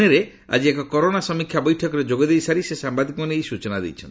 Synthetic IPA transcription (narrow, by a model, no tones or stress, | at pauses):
eɾe | a̰d͡ʒiekɔkɔɾonasɔmikʰjabɔjʈʰɔkɔɾed͡ʒoɡɔd̪ejsaɾisesambad̪ikɔmɔneejsut͡ʃɔnad̪ḛjt͡ʃʰɔnt̪i